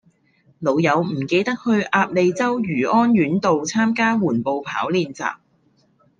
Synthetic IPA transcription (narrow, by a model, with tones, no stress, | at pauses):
lo˨˧wjɐ˨˧wm̩˨˩ke˧jt̪ɐ˥k̚hɵ˧ɥʔaː˧p̚le˨˧jt͡sɐ˥wjyː˨˩ʔɔː˥nɥyː˨˥nt̪o˨wt͡sʰaː˥mkaː˥wuː˨˩npo˨wpʰaː˨˥wliː˨˧nt͡sa̰ː˨p̚